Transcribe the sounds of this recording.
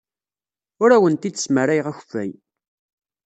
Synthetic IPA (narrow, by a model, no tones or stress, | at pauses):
ʊɾæwənt̪id̪ə̥sməɾæjʁæç̥fæj